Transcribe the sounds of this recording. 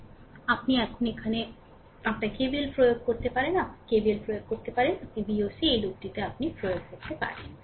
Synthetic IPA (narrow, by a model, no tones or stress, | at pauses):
apniɛkʰonekʰane | apnakebilpɾojoɡ̚koɾt̪epaɾenapkebilpɾojoɡ̚koɾt̪epaɾenapibiosiejlok̚ɖit̪eapnipɾojoɡ̚koɾt̪epa̰ɾḛn